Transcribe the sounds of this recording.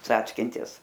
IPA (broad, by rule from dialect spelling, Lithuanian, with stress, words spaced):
ˈt͡sɑːt͡sʲkʲɪnʲtʲɪs